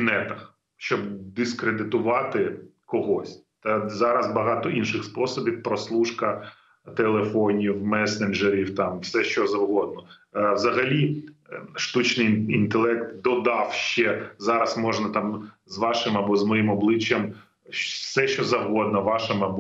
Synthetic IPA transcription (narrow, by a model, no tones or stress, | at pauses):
nɛt̪ɐx | ʃt͡ʃɔbd̪ɪskɾed̪ɪt̪ʊʋɑt̪ɪkɔɦɔsʲt̪ɐzɑɾɐzbɐɦɑt̪ɔinʃɪxspɔsɔbʲiwpɾɔslˠuʃkɐ | t̪elˠefɔnʲiwmɛsenʒeɾʲiwt̪ɑmfsɛʃt͡ʃɔzɐwɦɔd̪̚nɔ | wzɐɦɐlʲi | ʃt̪ut͡ʃnɪjint̪elˠɛkt̪d̪ɔd̪ɑwʃt͡ʃɛzɑɾɐsmɔʒnɐt̪ɑm | zʋɑʃɪmɐbɔzmɔjimɔblˠɪt͡ʃjɐm | fsɛʃt͡ʃɔzɐwɦɔd̪nɐʋɑʃɐmɐbɔ